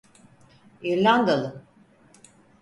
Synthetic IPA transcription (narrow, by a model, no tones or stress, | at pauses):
iɾlʲand̪alˠɯ